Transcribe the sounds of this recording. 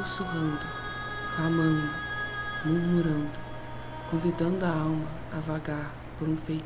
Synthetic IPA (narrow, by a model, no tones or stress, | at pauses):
soɦɐ̃nd̪ʊ | kamɐ̃nd̪ʊmuɾmuɾɐ̃nd̪ʊ | kõvid̪ɐ̃nd̪ʊɐawmɐ | ɐvaɡaɾ | poɾũfej̪